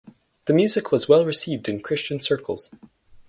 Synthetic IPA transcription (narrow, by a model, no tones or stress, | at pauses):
ðɨmjʉzɨkʰwʌzwɛlˠɹɨsivdɨ̃nkʰɹ̥ɪst͡ʃɨ̃nsɜ˞kʰl̩ˠz̥